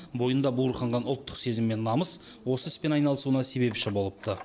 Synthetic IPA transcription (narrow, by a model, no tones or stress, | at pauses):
bo̞jənd̪ɑbuɾχɑɴʁɑnʊlˠt̪ːə̥qse̞zɪmːe̞nːɑməs | wo̞səɪspe̞nɑjnɑlˠəsuənɑse̞be̞pʃɪbo̞lˠəp̚t̪ʰə